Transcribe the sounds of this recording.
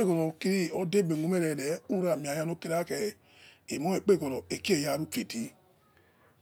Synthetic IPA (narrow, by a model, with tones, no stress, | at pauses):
e˦ɡɔ˨ɾɔ˨ki˧ɾi˦ɔ˦de˦˨be˨u˨˦mɛ˦ɾɛ˨lɛ˨˦u˦ɾa˨mĩ˨a˨ja˧no˦ki˦ɾa˦kɛ˧˨ | i˨mɔ̃˨˦e˨k͡pe˦˨ɡɔ˨ɾɔ˨e˨ki˦e˦˨ja˨˦˨ɾu˦fe˨ti˨˦